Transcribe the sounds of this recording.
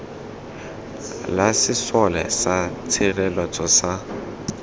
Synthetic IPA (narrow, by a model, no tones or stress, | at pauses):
lasɪsɔlɛ̰sat͡sʰirɛlɔt͡sɔsa